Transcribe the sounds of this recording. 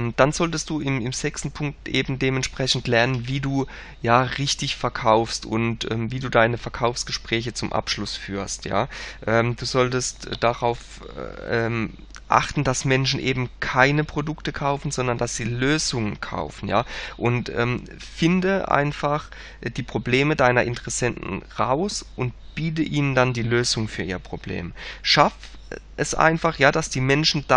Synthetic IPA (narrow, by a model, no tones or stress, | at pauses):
ɛmd̥anzɔltəstd̥uːɪmɪmz̥ɛkstn̩pʰʊŋk̚tʔḛːbm̩deːmɛntʃpʁ̥ɛçn̩tlɛɐnənviːduː | jaːʁɪçtɪçfɛɐkʰaʊfstʊ̰ntʔɛ̰ːmviːduːdaɪnəfɛɐkʰaʊfsɡ̥əʃpʁ̥ɛːç̬ət͡sʊmʔa̰pʃlʊsfyːɐstja̰ːʔɛːmd̥uːzɔltəstːd̥aʁaʊf | ɛːm | ʔa̰χtn̩d̥asmɛnʃn̩ʔeːbm̩kʰaɪnəpʁ̥odʊktəkʰaʊfn̩zɔndɐndasz̥iːløːzʊŋənkʰa̰ʊfn̩ja̰ːʔʊntʔɛ̰ːm | fɪndəʔa̰ɪnfaχ | d̥iːpʁ̥obleːmədaɪnɐʔɪntəʁɛsɛntn̩ʁaʊsʔʊnt | b̥iːt̬əʔiːnəndandiːløːzʊŋfyːɐʔiːʁəpʁ̥oblḛːmʃaf | ʔɛsʔa̰ɪnfaχjaːd̥asd̥iːmɛnʃn̩da